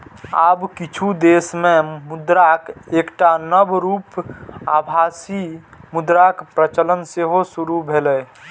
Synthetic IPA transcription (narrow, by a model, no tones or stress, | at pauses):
aːbkɪt͡ʃʰud̪eːsmẽmʊd̪ɾakeːkʈanəbɾuːpaːbʱaːsimʊd̪ɾakpɾət͡ʃələnseɦosuɾubʱeləː